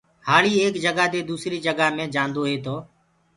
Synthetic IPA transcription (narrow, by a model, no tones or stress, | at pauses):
haːɭiːeːkd͡ʒəɡaːd̪eːd̪uːsɾiːd͡ʒəɡaːmẽːd͡ʒãːnd̪oːɦeːt̪oː